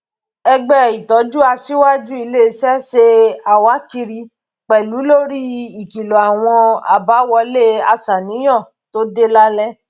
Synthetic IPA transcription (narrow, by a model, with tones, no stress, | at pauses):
ɛ˧ɡ͡bɛ˦˨i˨tɔ˨˦d͡ʒu˦a˧si˦wa˦d͡ʒu˦i˧le˦˧sɛ˦ʃe˧a˨wa˨˦ki˧ɾi˧ | k͡pɛ˨lu˨˦lo˦ɾi˦i˨ki˨lo˨a˨w̃ɔ̃˧a̰˨ba˨˦wɔ˧˦le˦a˧sa˨nĩ˨˦j̃ɔ̃˦˨ | to˦de˦la˦lɛ˦